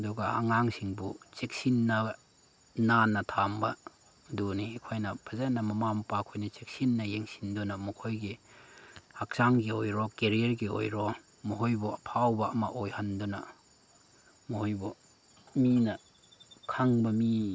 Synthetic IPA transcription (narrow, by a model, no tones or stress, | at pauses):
ɐduɡɐɐ̰ŋaŋsiŋbut͡ʃek̚sinːɐ | nanːɐtʰambɐ | duniekʰojnɐpʰɐzanɐmɐmampakʰojnɐt͡ʃek̚sinːɐjeŋsindunɐmɐkʰojɡi | hak̚saŋɡiojɾɔkeɾieɾɡio̰jɾo | moɦojbuɐpʰawbɐɐmɐʔojhandunɐ̰ | mohojbu | minɐ | kʰaŋbɐmi